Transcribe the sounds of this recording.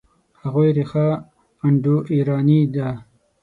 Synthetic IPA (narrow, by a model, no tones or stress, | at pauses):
haɣujɾixa | ɐɳɖuʔiːɾɑːnid̪a